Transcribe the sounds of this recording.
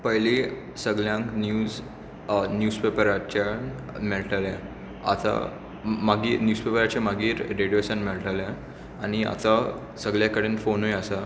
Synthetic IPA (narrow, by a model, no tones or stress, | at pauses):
pəɦli | səɡljãŋknjuːz | njuːspepəɾat͡ɕa | miɭʈalẽ | a̰t̪a̰ | maɡiːnjuːspepəɾat͡ɕamaɡiːɾɾeɽijosanmiɭʈalẽ | aɽ̃ia̰t̪a | səɡɭjakəɽeːnfonɦojasa